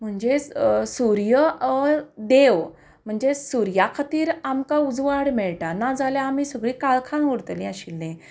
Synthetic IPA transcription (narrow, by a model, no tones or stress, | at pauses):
m̤əɳd͡ʑesuɾjə | d̪eʋ | m̤əɳd͡zesuɾjakʰat̪iːɾamkaud͡zʋaɽmɛɭʈanad͡zaljaːmiːsəɡɭiːkaɭkʰãuɽt̪lĩaɕilːẽ